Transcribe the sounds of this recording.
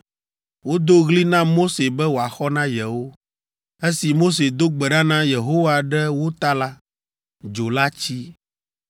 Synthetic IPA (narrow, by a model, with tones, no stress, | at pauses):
wo˦d̪o˦ɣli˦nã˦mo˦se˨bɛ˦wo˨a˨xɔ˦nã˦jɛ˨wo˦ | e˦si˨mo˦s̬e˨d̪o˦ɡ͡bɛ˨ɖã˦nã˦je˨ɦo˦wa˨ɖɛ˦wo˦t̪a˦la˦ | d͡ʒo˨la˦t͡ɕi˦